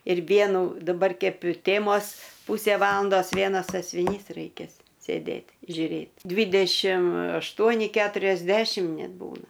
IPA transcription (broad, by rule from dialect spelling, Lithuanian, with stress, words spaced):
ɪr ˈʋʲiɛnʊ dɐˈbɐr ˈkʲɛp ɪ ˈtʲeːmoːs ˈpuːsʲeː ˈʋɑːlˠɐndoːs ˈʋʲiɛnɐs sɐsʲʋʲɪˈnʲiːs rɐɪˈkʲeːs sʲeːˈdʲeːtʲ ʒʲʊˈrʲeːtʲ ˈdʲʋʲɪdʲɛʃʲɪm ɐʃˈtuɔnʲɪ kʲɛtʊrʲɛzʲˈdʲæːʃʲɪm ˈnʲɛt ˈbuːnɐ